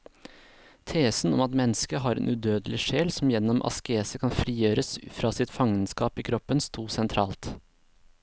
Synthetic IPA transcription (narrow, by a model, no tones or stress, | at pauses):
t̪ʰeːsn̩ɔ̰mɑt̪mɛnːəskəɦɑːɾḛːnʔʉd̪øːd̪əlɪʂeːlsɔm̩jɛnːɔmʔɑ̰skeːsəkʰɑnfɾiːjøːɾəsfɾɑːsɪt̪fɑŋənskɑːpiːkʰɾɔpːənst̪ʰuːsɛnt̪ʰɾɑːlt̪